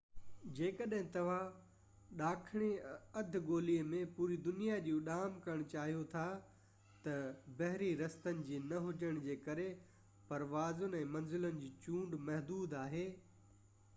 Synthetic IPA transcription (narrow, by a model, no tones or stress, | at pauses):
d͡ʑeːkəɗɦɪ̃t̪ɐʋ̤a | ɗaːkʰɪɽ̃eɐd̪ʱɡoːliəmẽpuːɾid̪ʊnijad͡ʑũːɗaːmkɐəɽ̃t͡ɕaːɦijot̪ʰa | t̪ɐbɐɦɾiɾɐst̪ənɪ̆d͡ʑiːnɐɦʊd͡ʑəɽ̃d͡ʑeːkɐɾe | pɐɾʋaːzʊn̆ɛ̃ːmɐnzɪlənɪ̆d͡ʑiːt͡ɕũːɳɖmɐɦd̪uːd̪aːɦeː